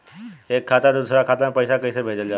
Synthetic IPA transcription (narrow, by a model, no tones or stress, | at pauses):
ekʰːat̪ad̪usɾakʰat̪anpəjsakəjsəbʱed͡zəld͡ʑa